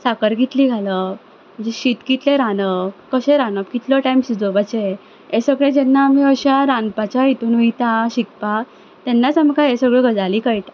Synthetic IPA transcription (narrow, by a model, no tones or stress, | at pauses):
sakəɾɡit̪liːɡʱalə | mm̤ə̃nd͡zeɕit̪kɡit̪leɾanəb̚kəɕẽɾanəpkit̪lɔʈajmsud̪ʱəbat͡ɕe | esəɡɭed͡ʑɛnːaːmiəɕaɾanpat͡ɕaɦit̪uːnujt̪aɕik̚pa | t̪ɛnːat͡samkaɦesəɡɭeɡəd͡zaliːkəjʈ̪a